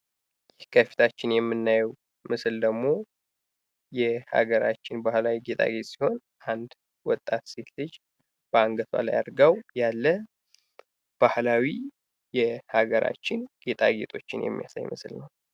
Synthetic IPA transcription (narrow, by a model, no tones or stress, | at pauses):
jɪhkʰəfi̥t̪ʰat͡ʃːɪnjɛmːɨnːajw | mɨsɨld̪əɡmo̞ | jɛha̰ɡəɾat͡ʃːɪnbahlawiɡe̞t̪ʼa̰ɡe̞t̪ʼsiho̞n | ʔand̪ | wɔt̪ʼːat̪se̞t̪lɨd͡ʒ | b̥əaŋɡət̪ʰba̰la̰ja̰ɾɡawjalːə | b̥ahlawi | jɛhaɡəɾʔa̰t͡ʃːɪnɡ̥e̞t̪ʼa̰ɡe̞t̪ʼo̞t͡ʃːɪnjɛ̰mːija̰sa̰jmɨ̰sɨlnəw